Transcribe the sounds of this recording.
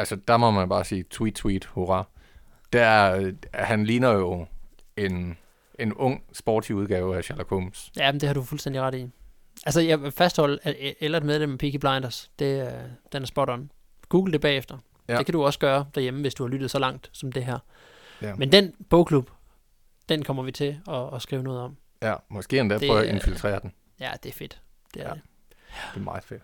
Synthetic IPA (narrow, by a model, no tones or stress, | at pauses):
ælsəd̥ɑmɒ̽mænb̥ɑ̈ːsiːt͡sʰwid̥t͡sʰwid̥hoʁɑ | d̥æ | hænliːnɐjo̝e̝n | e̝nɔ̽ŋ̰sb̥ɒ̰ːd̥siuð̞ˠɡ̥ɛːʊæɕæɐlækʰomsjæmnd̥e̝hɑ̈ɾufulsden̰d̥iʁɑ̈ɾ̥i | ʔælsəjɑ̈ʋefæsd̥hɒ̽l̰əæelɐed̥̚meðˠlemæpʰiɡib̥lɑ̈ɪnd̥ɐsd̥e̝d̥enæɐsb̥ɒɾ̥ɒ̽n | ɡ̥uːɡ̥l̩d̥e̝b̥ɛ̰ːefd̥ɐ | e̝kʰæd̥uɒ̽sɡ̥ɶːɐd̥æɐjeməʋe̝sd̥uhɑ̈lyd̥ð̩ˠsɒ̽lɑ̈ŋ̰d̥sɒ̽md̥e̝ɦæɐ̰ | mend̥enb̥ɔʊkʰlub̥ | d̥enkʰɒ̽m̰ɐʋit͡sʰe̝ɒ̽ːsɡ̥ʁiːʊnɔ̽ːð̩ˠɒ̽m̰ | mɒsɡ̥e̝̰ːend̥æɐ̥ɔe̝nfilt͡sʰʁḛːɐd̥en̩ | jæd̥eæɐfe̝d̥ | d̥eæɐe | d̥e̝mɑ̈ɪfed̥